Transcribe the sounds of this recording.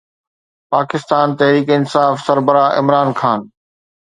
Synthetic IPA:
paːkɪst̪aːnt̪ɐɦɾiːkɪnsaːfsɐɾbəɾaːʔɪ̰mɾaːnxʰaːn

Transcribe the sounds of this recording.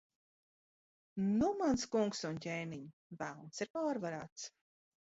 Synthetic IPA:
numanskuŋksuncʲeːniɲ | vælˠnsiɾpaːɾvaɾaːt̪s

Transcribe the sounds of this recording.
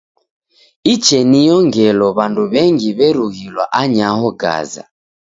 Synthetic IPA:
it͡ʃɛnijɔŋɡɛlɔβanduβɛŋɡiβɛɾuɣilwaʔaɲaɦɔɡa̰za̰

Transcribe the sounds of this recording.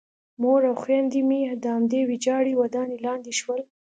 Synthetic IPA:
moɾawxwɑnd̪imid̪əhamd̪ewid͡ʒɑɽiwad̪ɑnelɑnd̪iʃwəl

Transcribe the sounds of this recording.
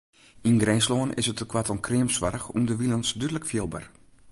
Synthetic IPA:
inɡrɛnsloːənʔɪ̰sətəkʰwatɔnkrɪəmsʋaɾəxṵndəʋilənsdydələkfjɪlˠbə̰r

